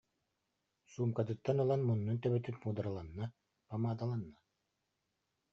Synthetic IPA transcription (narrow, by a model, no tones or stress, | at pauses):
suːmkat̪ɯt̪ːanɯlˠanmunːunt̪œbɛt̪yt̪muːd̪aɾalˠanːa | pamaːd̪alˠanːa